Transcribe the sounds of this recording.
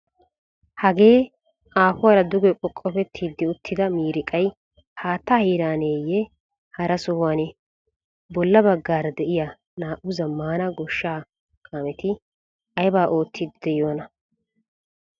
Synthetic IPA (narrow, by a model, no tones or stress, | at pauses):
hɐɡe̞ː | aːfʊwaːɾɐd̪ʊɡɛkʼɔkʼːɔpɛt̪ʰːiːd̪ːɪʊt̪ʰːɪd̪ɐmiːɾɪkʼɐj | haːt̪ːahiːɾaːneːjːɛ | hɐɾɐsɔhaːnɛ | bɔlːɐbɐɡːaːɾd̪ɛʔɪja | naːʔʊzɐmːaːnɐɡɔʃːaː | kʼaːmɛt̪ɪ | ɐjbaːʔo̞ːt̪ʰːid̪ɪd̪ɛjo̞ːnɐ